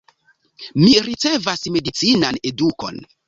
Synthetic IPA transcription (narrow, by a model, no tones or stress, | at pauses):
miɾit͡se̞vasme̞dit͡sinane̞duko̞̰n